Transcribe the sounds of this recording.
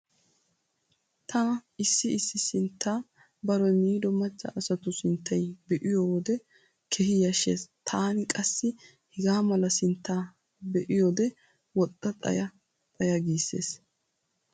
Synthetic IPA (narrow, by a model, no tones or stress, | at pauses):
t̪ʰɐɪsːɪɪsːɪsɪnt̪ːaː | bɐɾɔjmiːd̪ɔmɐt͡ʃːɐ̰ʔɐsɐt̪ʊsɪnt̪ʰːɐjbɛʔɪjoːd̪ɛ | kʰɛhɪjɐʃḛːst̪ʰaːnɪkʼɐsːɪ | hɪɡaːmɐlɐsɪnt̪ːaː | bɛʔɪjoːd̪ɛ | wɔt̪ʼːɐt̪ʼɐ̰jɐ | t̪ʼɐjɐɡiːsːḛːs